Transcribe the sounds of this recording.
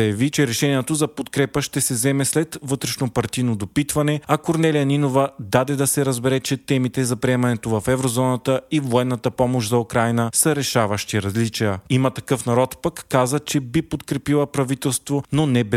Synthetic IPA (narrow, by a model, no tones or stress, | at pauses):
ɐjɐvit͡ʃɛɾɛʃɛniɛt̪ozɐpot̪kɾɛpəʃt̪ɛsɛzɛmɛslɛt̪vɤt̪ɾɛʃnopɐɾt̪ijnod̪opit̪vɐnɛɐkoɾnɛlijɐninovəd̪ad̪ɛd̪ɐsɛɾɐzbɛɾɛt͡ʃɛt̪ɛmit̪ɛzɐpɾiɛmɐnɛt̪ovɐfɛvɾozɔnət̪əivoɛnːət̪əpɔmoʃzɐukɾajnəsəɾɛʃavəʃt̪iɾɐzlit͡ʃijəimət̪ɐkɤfn̪ɐɾɔt̪pəkːazət͡ʃɛbipot̪kɾɛpilˠəpɾɐvit̪ɛlˠst̪vononɛbɛ